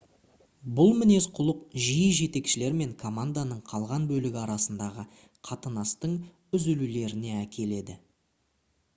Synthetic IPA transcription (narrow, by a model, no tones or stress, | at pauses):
bʊlˠmɪne̞sqʰʊlˠəqʒijəʒe̞t̪e̞kʃɪle̞ɾme̞ŋkʰo̞mand̪anəɴqʰɑlˠʁɑnbɵlɪɡʲɪɑɾɑsənd̪ɑʁə | qʰɑt̪ənɑst̪əɴ | ʏzʏlule̞ɾɪne̞ækʲʰe̞le̞d̪ɪ̰